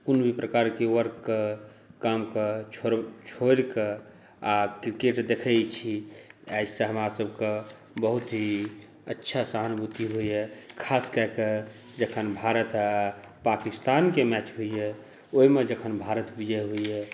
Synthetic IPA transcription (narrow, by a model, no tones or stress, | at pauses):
kunbʱipɾəkaɾkewəɾkke | kamket͡ʃʰt͡ʃʰoɾke | akɾikeʈd̪ekʰɛjt͡ʃʰiajsə̃ɦəmɾasəbʱke | bəɦut̪ɦi | ətːʃʰasaɦənbut̪iɦuiɛkʰaskəɦke | d͡ʒəkʰənbʱaɾət̪ːpakist̪ankemɛt͡ʃɦuiɛ | oimed͡ʒəkʰənbʱaɾət̪bud͡ʒʱɛɦuiɛ